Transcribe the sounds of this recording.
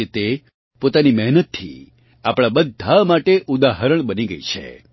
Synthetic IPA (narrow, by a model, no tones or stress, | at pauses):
et̪e | pot̪animɛɦnət̪ʰːḭ | apɽ̃abəd̪ʱamaʈeʔud̪aɦəɾəɳ̃bəniɡəit͡ʃʰḛ